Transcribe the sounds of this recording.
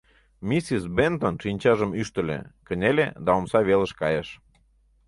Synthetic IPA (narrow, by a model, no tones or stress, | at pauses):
misisbent̪onʃinʲt͡ɕɑʒəmyʃt̪ə̆lḛkə̆nʲelḛd̪ɑomsɑβelə̆ʃkɑjeʃ